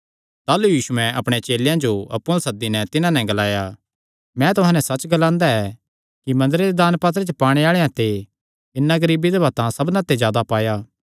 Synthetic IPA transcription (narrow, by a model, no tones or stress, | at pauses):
t̪aːlujiːsuɛ̃ɐpɽ̃et͡ʃeːljãd͡ʒoɐpːõlsɐd̪ːinɛt̪ɪnãnɛ̃ɡɐlaːja | mɛ̃t̪ʊɦãnɛsɐt͡ʃɡɐlãːnd̪aɛ | kimɐ̃nd̪əɾed̪ed̪aːnpaːt̪̬ɾet͡ʃepaːɽ̃eaːɭejãt̪e | ɪnːãɡɐɾiːbid̪ebɐt̪ãsɐbnãt̪ːezjaːd̪apaːjaː